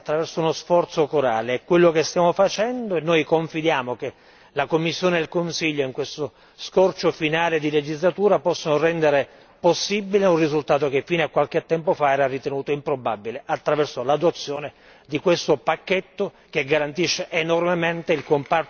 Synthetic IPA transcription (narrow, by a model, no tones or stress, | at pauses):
t̪ːɾavɛrsounosfɔrt̪sokoɾaːlekːwelːokest̪jaːmofat͡ʃɛnd̪oenːoːjkoɱfid̪jaːmoke | lakomːisːjoːnelkonsiʎːoiŋkwest̪o | skɔrt͡ʃofinaːled̪iled͡ʒizlat̪uːɾapɔsːonorɛnd̪eɾe | posːibːileunrizult̪aːt̪ok̟efːiːneakːwalket̪ːɛmpofaɛːɾarit̪enuːt̪oimpɾobabileʔat̪ːɾavɛrsolad̪ot̪sːjoːne | d̪ikwest̪opakːet̪ːo | k̟eɡːaɾant̪iʃːeʔːnormement̪eilkompa